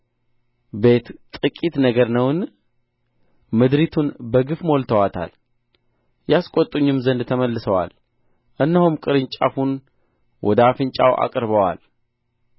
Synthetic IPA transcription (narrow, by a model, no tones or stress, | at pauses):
be̞t̪t̪ʼɨkʼit̪nəɡəɾnəwn | mɨd̪ɾit̪ʰunbəɡɨfmo̞lt̪ʰəwat̪ʰa̰l | jaskʼot̪ʼuɲːɪmzənd̪t̪ʰəməlːɨsəwa̰l | ʔɨnːəhumkʼɨɾɨɲt͡ʃʼa̰fun | wʔɔ̰d̪afɨnt͡ʃʼawʔa̰kʼɾbəwa̰l